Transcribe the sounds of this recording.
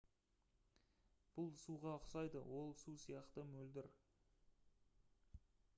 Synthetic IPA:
b̥ʊlˠsuʁɑəqsɑjd̪əwo̞lˠsusijɑqt̪əmɵld̪ɪɾ

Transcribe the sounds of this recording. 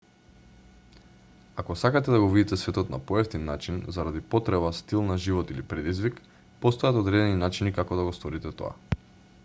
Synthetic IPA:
akɔsakat̪ɛd̪aɡɔvid̪it̪ɛsvɛt̪ɔt̪na̰poɛft̪inːat͡ʃinzaɾad̪ipɔt̪ɾɛβast̪ilˠnaʒivɔt̪ilipɾɛd̪izvik | pɔst̪ojat̪ɔd̪ɾɛd̪ɛninat͡ʃinikakɔd̪aɡɔst̪ɔɾit̪ɛt̪ɔ̰a̰

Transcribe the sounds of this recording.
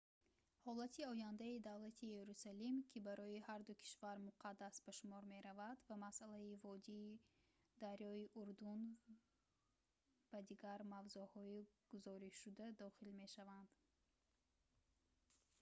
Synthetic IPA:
hɔlat̪ʰiɔjand̪aid̪avlat̪ʰijeɾusalimkʰibaɾɔihaɾd̪ukʰi̥ʃvaɾmuqʰad̪ːasbaʃumɔɾme̞ɾavad̪vamasʔalaivɔd̪iː | d̪aɾjɔiʔuɾd̪un | bad̪iɡaɾmavzuhɔiɡ̥uzɔɾiʃud̪ad̪ɔχilme̞ʃavand̪

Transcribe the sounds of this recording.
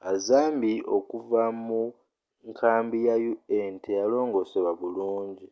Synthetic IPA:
azaːmbiʔo̞kuvamu | ŋkʰaːmbijajuentejalo̞ːŋɡo̞ːseβaβuluːɲɟi

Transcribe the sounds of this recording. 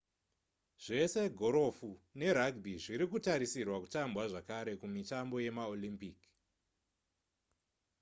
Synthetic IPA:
ʐ̥e̞se̞ɡʱo̞ɾo̞fune̞ɾaɡbʱiʐiɾikutaɾisirwaku̥tambwaʐakaɾe̞kumitambo̞je̞maolimpik

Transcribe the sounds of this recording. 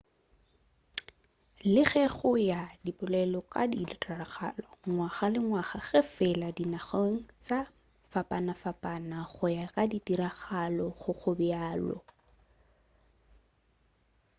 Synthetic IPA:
lɪχɛχʊjadipʼʊlɛlɔkʼa̰dilɪtʼaraχa̰ːlaŋwaχalɪŋwaχaɣɪfɪladinaχoŋ̩t͡sʼa | fapʼanafapʼanaχʊjakʼaditiɾaχalɔχʊk͡xʰʊbɪaːlɔ̰

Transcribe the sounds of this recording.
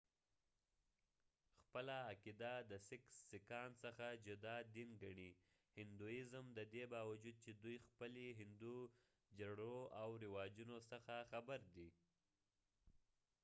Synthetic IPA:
xpəlaːkid̪ad̪əsɪksːɪkɑnsəxad͡ʒʊd̪ɑd̪inɡaɳi | hɪnd̪ujɪzmd̪əd̪ebɑwad͡ʒud̪̚t͡ʃed̪ujxpəleɦɪnd̪u | d͡ʒaɽoawɾɪwɑd͡ʒunosəxaxabaɾd̪i

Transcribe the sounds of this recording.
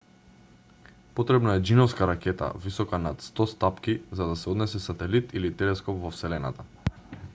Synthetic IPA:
pɔt̪ɾɛbnaɛd͡ʒinɔfskaɾakɛt̪a̰visɔkanat̪st̪ɔst̪apkizad̪asɛɔd̪nɛsɛsat̪ɛlit̪ilit̪ɛlɛskɔpvɔfsɛlɛna̰t̪a

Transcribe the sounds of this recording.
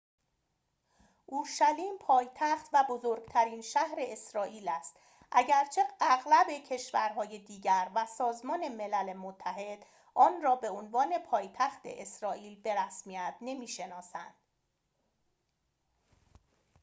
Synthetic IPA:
ʔuːɾʃæliːmpʰɒːjt̪ʰæxt̪væbo̞zoɾɡ̥t̪ʰæɾiːnʃæhɾe̞ʔesɾɒːʔiːlæst̪ | ʔæɟæɾt͡ʃʰeæɣlæbe̞cʰe̞ʃvæɾɦɒːje̞d̪iːɟæɾvæsɒːzmɒːne̞me̞lælemot̪ʰːæɦe̞d̪̥ | ʔɒːnrɒːbe̞onvɒːne̞pʰɒːjt̪ʰæxt̪ʰe̞̰ʔesɾɒːʔiːlbe̞ɾæsmiæt̪̚ʰne̞miːʃe̞nɒːsæ̰nd̪̥

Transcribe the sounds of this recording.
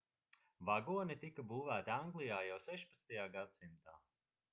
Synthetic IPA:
vaɡuɔnit̪ikabuːvæːt̪iaŋɡlˠijaːjawsɛʃpat̪st̪ajaːɡad̪simt̪aː

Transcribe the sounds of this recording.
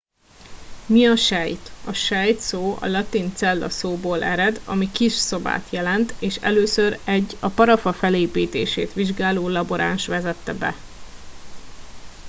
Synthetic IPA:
miɒʃɛjt̪ɒʃɛjt̪soːɒ̰lɒt̪int̪sɛlːɒ̰soːboːlʔɛɾɛd̪ɒ̰mikiʃso̞ba̰ːt̪jɛlɛnt̪eːʃɛ̰løːsøɾɛɟːɒpɒɾɒfɒfɛleːpiːt̪ḛːʃḛːt̪ʋiʒɡaːloːlɒboɾʔa̰ːnʃʋɛzɛt̪ːɛbɛ̰

